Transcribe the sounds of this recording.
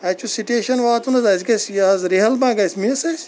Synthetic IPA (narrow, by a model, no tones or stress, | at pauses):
ɐt͡ʃʰusiʈeːʃɐnʋaːt̪unɐzɐsɡɐsjɐɐzɾiɦɐlbãːɡɐjsmiɐsɐjsʲ